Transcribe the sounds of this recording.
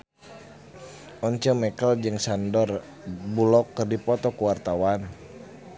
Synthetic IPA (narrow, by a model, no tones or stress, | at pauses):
ɔɲt͡ʃɔmɛkəld͡ʒɨŋsandɔr | bulɔkːərdipɔt̪ɔkuwart̪awan